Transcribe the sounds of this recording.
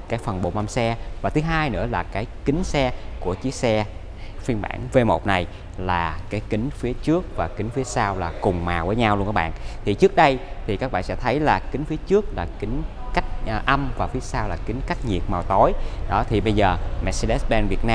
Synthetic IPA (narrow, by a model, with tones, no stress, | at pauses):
kaː˨˦jfə˨˩nɓo̰˧˨˩ma˧msɛ˧vaː˨˩t̪ʰɨ˨˦ɦaː˧jnɨ̰˧˥əlaː˨˩kaː˨˦jkï˨˦ŋ̟sɛ˧ku˧˩ət͡ɕi˦ək̚sɛ˧ | fi˧ənɓa̰ː˧˩nve˧mo̰˨˩t̚na˨˩j | laː˨˩kaː˨˦jkï˨˦ŋ̟fi˨˦ət͡ɕɨ˦˥ək̚vaː˨˩kï˨˦ŋ̟fi˨˦əsaː˧wlaː˨˩kʊ˨˩ŋ͡mmaː˨˩wvəː˨˦jɲa˧wlnkaː˨˧˦ɓa̰ː˧˨nt̪ʰi˨˩t͡ɕɨ˦˥ək̚ɗə˧jt̪ʰi˨˩kaː˦˥k̚ɓa̰ː˧˨nsɛ̰˧˥t̪ʰə˨˦jlaː˨˩kï˨˦ŋ̟fi˨˦ət͡ɕɨ˦˥ək̚laː˨˩kï˨˦ŋ̟ | ka˦˥k̟̚ːʔə˧mvaː˨˩fi˨˦əsaː˧wlaː˨˩kï˨˦ŋ̟ka˦˥jk̟̚ɲi˨˩ət̚maː˨˩wt̪o˨˦jɗɔ˨˦t̪ʰi˨˩ɓə˧jzəː˨˩mɛ̰˧˥t̚se˧lɛ˦˥ɓɛ˧nvi˨˩ət̚naː˧